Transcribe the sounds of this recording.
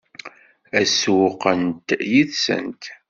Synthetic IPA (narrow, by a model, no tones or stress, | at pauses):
æswʊqənt̪jiθsə̰nt̪